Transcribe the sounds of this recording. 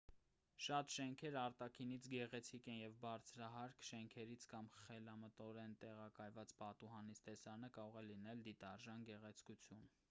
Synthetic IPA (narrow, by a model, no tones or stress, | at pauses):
ʃɑt̪ʃɛŋkʰɛɾɑɾt̪ɑkʰinit͡sʰɡɛʁɛt͡sʰikɛnjɛvbɑɾt͡sʰɾɑɦɑɾkʰʃɛŋkʰɛɾit͡sʰkɑmχɛlɑmət̪ɔɾɛnt̪ɛʁɑkɑjvɑt͡spɑt̪uɦɑnit͡sʰt̪ɛsɑnəkɑɾɔʁɛlinɛld̪it̪ɑɾʒɑnɡɛʁɛt͡sʰkut͡sʰjun